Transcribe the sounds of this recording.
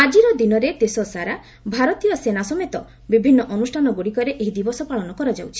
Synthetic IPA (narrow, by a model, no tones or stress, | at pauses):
ad͡ʒiɾɔd̪inɔɾed̪esɔsaɾa | bʱaɾɔt̪ijɔsenasɔmet̪ɔ | bibʱinːɔʔɔnusʈʰanɔɡoɽikɔɾeʔeɦid̪ibɔsɔpaɭɔnɔkɔɾɔd͡ʒa̰wt͡ʃʰi̥